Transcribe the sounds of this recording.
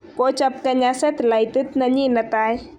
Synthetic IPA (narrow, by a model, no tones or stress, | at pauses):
kot͡ʃɐp̚kɐɲasɐt̪lajt̪ɨt̪nɐɲinɐt̪aːj